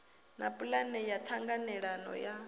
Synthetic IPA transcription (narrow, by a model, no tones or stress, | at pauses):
napʼulanɛjat̪ʰaŋɡanɛɺanɔ̰ja